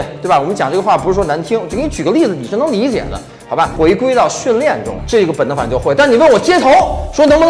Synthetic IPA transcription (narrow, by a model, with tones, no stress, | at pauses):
t̪wba˨˩wɔ˨˩mə˦nt͡ɕjɑ˨˩ŋʈ͡ʂɤ˥˩ɡə˧xwa˥˩pu˧ʂ̩˥˧˩wɔ˥na˧˥nt̪ʰi˥ŋw̪ʰt͡ɕʰy˨˩ɡə˦li˥˩d͡zɹ̩˩ni˨˩ʂɻ̩˥˩nɤ˧˥li˧˥t͡ɕjɛ̰˨˩d̪ə̰˦ | xɑ˧˥ʊba˧xwe˧˥ɪkwe˥ɪt̪ɑ˥˧ʊɕy˥˧nljɛ˥˩nʈ͡ʂʊ̰˥ŋʈ͡ʂɤ˥˩i˥ɡə˩pə˨˩nə˥fa˨˩t͡ɕjo˥˧xwe˥˩ɪt̪a˥˩n˨˩we˥˩wɔ˨˩t͡ɕjɛ˥t̪ʰo˧˥ʊʂwɔ˥nɤ˧˥mbə˧